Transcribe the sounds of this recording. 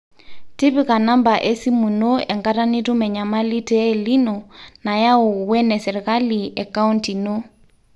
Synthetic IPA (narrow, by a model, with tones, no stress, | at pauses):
ti˦pi˦ka˨na˦mba˨ʔɛ˦si˦mu˨no˦ɛ˨ŋɡa˦ta˦ni˦tu˦mɛ˨ɲa˨ma˦li˦tɛ˦li˦nɔ˨na˨ja˦o˨wɛ˦nɛ˨sɛ˨ɾɛ˨ka˦li˨ʔɛka˦u˦nti˨no˦